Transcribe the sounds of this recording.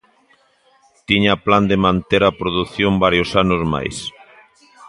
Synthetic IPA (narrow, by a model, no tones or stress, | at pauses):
t̪iɲapland̪emãnt̪eɾapɾoðuθjombaɾjosanʊzma̰js